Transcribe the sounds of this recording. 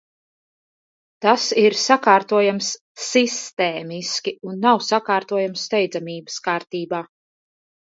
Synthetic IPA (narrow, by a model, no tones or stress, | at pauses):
t̪asiɾsakaːɾt̪uɔjamsː | ist̪ɛːmiskʲiunːawsakaːɾt̪uɔjamst̪ɛjd̪zamiːbə̥skaːɾt̪iːbaː